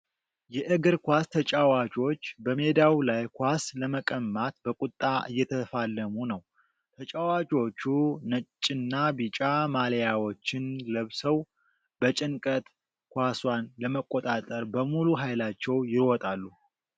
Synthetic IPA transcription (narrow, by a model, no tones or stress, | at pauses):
jɛʔɨɡɨɾkʷast̪ʰət͡ʃʼawat͡ʃʼo̞t͡ʃːbəme̞d̪awlajkʷasləməkʼəmːat̪bəkʼut̪ʼːaʔɨ̰jːɛt̪ʰəfalːəmunəw | t̪ʰət͡ʃʼawat͡ʃʼo̞t͡ʃːunət͡ʃʼːɪnːabit͡ʃʼamalejawo̞t͡ʃːɪnləβsəw | bət͡ʃʼɪnkʼət̪ | kʷaswanləməkʼot̪ʼat̪ʼəɾbəmuluɦajlat͡ʃːɛwjɪɾwɔt̪ʼalːu